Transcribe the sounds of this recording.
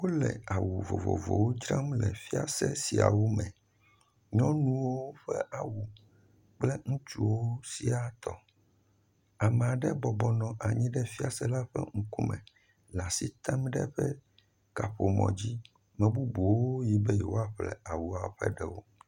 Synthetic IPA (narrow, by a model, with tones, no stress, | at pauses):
wo˦lɛ̰˨a˨wu˨vo̰˨vo̰˨vo̰˨wo˦d͡ʒɾã˦mlɛ̰˨fi˦a˨sɛ˦si˨a̰˨wo˦mɛ̃˨ | ɲɔ̃˦nũ˦wo˦ɸɛ˦ʔa˨wu˨ | k͡plɛ˦ŋũ˦t͡ʃṵ˦wo˦si˨a˨t̪ɔ˨ | a˨mɛ˨a˨ɖɛ˦bɔ˨bɔ˨nɔ̃˨ʔa˨ɲĩ˦ɖɛ˦fi˦a˨sɛ˦la˦ɸɛ̰˦ŋũ˦ku˦mɛ̰̃˨ | la˨si˦t̪a˦mɖɛ˦ɸɛ˦ | ka˨ɸo˨mɔ̰̃˨d͡ʑi˦ | mɛ̃˨bu˦bu˨wo˦ji˨bɛ˦jɛ˨wo˦a˦ɸlɛ̰˨a˨wu˨a˨˦ɸɛ˦ɖɛ˨wo˦